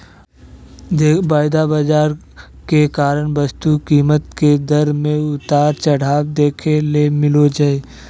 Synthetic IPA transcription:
baːɪd̪abad͡ʒaːɾ | kekaːɾəɳbɐst̪ukiːmət̪ked̪ɐɾmẽʊt̪aːɾt͡ʃɐɽ̤aːwd̪eːkʰelemɪlod͡ʒaːe

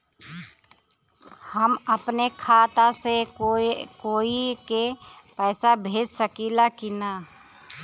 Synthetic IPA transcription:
həməpnekʰaːt̪ase | koːike | pɛːsabʱeːd͡ʒsəkilakinaː

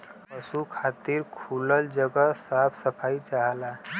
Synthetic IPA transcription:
pəsukʰat̪iɾkʰuləld͡ʒəɡəsapʰsəpʰait͡ʃaɦəla

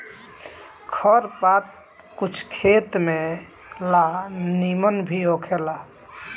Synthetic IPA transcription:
kʰəɾpat̪̚ | kut͡ʃʰkʰet̪me | lanimənbʱiɦokʰela

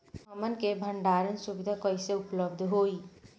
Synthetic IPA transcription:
əmənkebʱəɳɖaɾənsubid̪ʱakəjseʊpləb̚d̪ʱɦoi

